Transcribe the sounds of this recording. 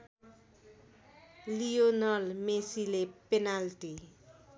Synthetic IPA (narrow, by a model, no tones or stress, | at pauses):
lionʌlmesilepenalʈi